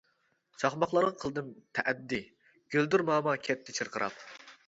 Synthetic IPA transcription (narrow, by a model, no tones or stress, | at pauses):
t͡ʃʰɑχmɑχlˠɑɾʁɑqʰəlˠd̪ɨmt̪ʰɛʔɛd̪ːi | ɡ̥ʲøld̪uɾmɑːmɑkʲʰɛt̪ʰːɪt͡ʃʰɨɾqʰəɾʔɑ̰p